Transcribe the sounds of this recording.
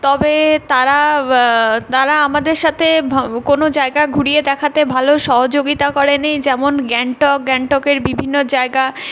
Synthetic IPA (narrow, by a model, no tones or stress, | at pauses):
t̪ɔbet̪aɾa | t̪aɾaamad̪eɾʃat̪ʰebʱkonod͡ʑaeɡaɡʱuɽied̪ɛkʰat̪ebʱaloʃɔɦod͡ʑoɡit̪akɔɾenejd͡ʑɛmonɡɛɳʈɔk̚ɡɛɳʈɔkeɾbibʱinːod͡ʑaeɡa